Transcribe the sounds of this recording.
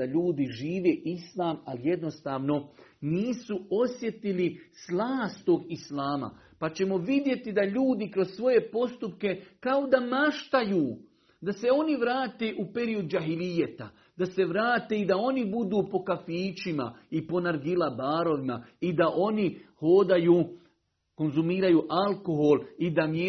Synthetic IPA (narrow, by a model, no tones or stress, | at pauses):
aʎuːd̪iʒiːʋe̞ːʔislˠaːmalije̞d̪no̞st̪aːʋno̞niːsuo̞sje̞t̪ilislˠaːst̪t̪oːɡislaːma̰ | pat͡ɕe̞mo̞ʋid̪je̞t̪id̪aʎuːd̪ikɾo̞zsʋo̞je̞po̞st̪upke̞kao̞d̪amaʃt̪ajuː | d̪ase̞o̞niʋɾaːt̪e̞ʔupe̞ɾio̞d̪d͡ʒaɦilijat̪a | d̪̥ase̞ʋɾaːt̪e̞id̪ao̞nibud̪uːpo̞kafiːt͡ʃima̰ipo̞naɾɡilabaːɾo̞ʋimaid̪aʔo̞niho̞ːd̪ajuː | ko̞nzumiːɾajuːʔalko̞ɦo̞lid̪amje